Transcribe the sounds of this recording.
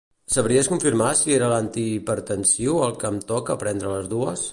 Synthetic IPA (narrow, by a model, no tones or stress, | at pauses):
səβɾiəskuɱfiɾmasieɾəlant̪ipəɾt̪ənsiwəlˠkəmt̪ɔkəːpɾɛnd̪ɾələzðuəs